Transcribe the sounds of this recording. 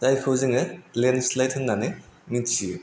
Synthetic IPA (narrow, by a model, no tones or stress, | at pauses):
tajkʰɯwzɯŋɯlenslajt̚hʰɯnːanemitsi